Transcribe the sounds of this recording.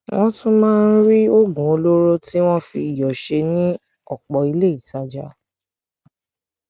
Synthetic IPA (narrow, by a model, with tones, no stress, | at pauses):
w̃ɔ̃˦tũ˦mãː˦˧n̩˦ɾi˦o˦ɡũ˨o˧lo˦ɾo˦ti˦w̃ɔ̃˦fi˧i˨jɔ˨ʃe˧nĩ˦ | ɔ˦˨k͡pɔ˨i˧le˦i˦˨ta˨˦d͡ʒa̰˨˦